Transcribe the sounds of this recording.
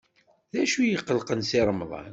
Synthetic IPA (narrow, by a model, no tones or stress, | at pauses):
ðæʃujəqːəlqənsiɾˤmðˤɑ̰n